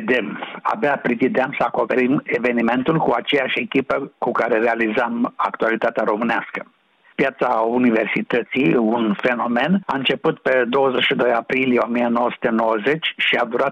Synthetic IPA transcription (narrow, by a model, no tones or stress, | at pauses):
d̪ema̰beapɾit̪id̪eamsəako̞pe̞ɾimeve̞nime̞nt̪ulkuat͡ʃejaʃe̞kʲipəkukaɾeɾealizama̰kt̪ualit̪at̪eaɾo̞mɨneaskə | pjat̪sauniversit̪ət̪sijunfeno̞me̞na̰ɨnt͡ʃe̞put̪ped̪o̞wəzeʃid̪o̞japɾilijeo̞mijenowəsu̥t̪enowəzet͡ʃʃiad̪uɾat̪